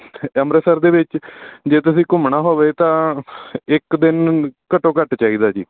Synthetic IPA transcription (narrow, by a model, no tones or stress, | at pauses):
əmɾəsəɾd̪eːʋɪt͡ʃd͡ʒeːt̪ʊsĩːkʊmɳaːɦoːʋeːt̪ãː | ɪkd̪ɪnkəʈõːkəʈt͡ʃaːiːd̪aːd͡ʒiː